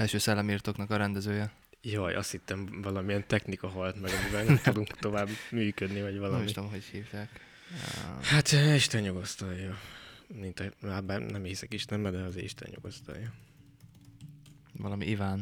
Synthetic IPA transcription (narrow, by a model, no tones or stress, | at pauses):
ɛlʃøːsɛlːɛmiːrt̪oːknɒkɒɾɛnd̪ɛzøːjɛ | joːjʔɒ̰st̪hit̪ːɛɱvɒlɒmiɛnt̪ɛxnikɒɦɒlt̪mɛɡɒmivɛlnɛmt̪ud̪uŋkt̪o̞vaːbmyːkød̪nivɒɟʋvɒlɒmiʃit̪o̞mɦo̞chiːvjaːk | hat̪ːiʃt̪ɛnjoɡost̪ɒjːɒmint̪ɒlaːbaːnɛmhisɛkiʃt̪ɛmɛd̪ɛɒzḛːḭʃt̪ɛ̰njo̰ɡo̰st̪ɒ̰ljɒ | vɒlɒmḭʔivaːn